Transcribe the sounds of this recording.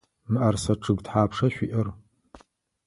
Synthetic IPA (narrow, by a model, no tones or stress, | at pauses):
mɨʔɐrsɐʈ͡ʂʰɨɡtħaːpʂɐɕʷiʔɐr